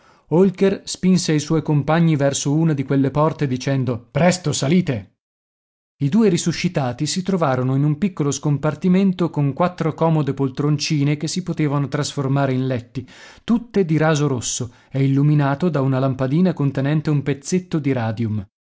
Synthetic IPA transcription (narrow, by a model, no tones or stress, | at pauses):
olkerspinseajswɔjkompaɲːivɛrsouːnad̪ikwelːepɔrt̪ed̪it͡ʃɛnd̪opɾɛst̪osaliːt̪e | id̪uːeɾisuʃːit̪aːt̪isit̪ɾovaːɾonoinumpikːoloskompart̪iment̪okoŋkwat̪ːɾokɔːmod̪epolt̪ɾont͡ʃiːnek̟esːipot̪eːvanot̪ɾasformaːɾeinlɛt̪ːit̪ut̪ːed̪iɾaːzoɾosːo | eilːuminaːt̪od̪aunalampad̪iːnakont̪enɛnt̪eumpet̪sːet̪ːod̪iɾaːd̪jum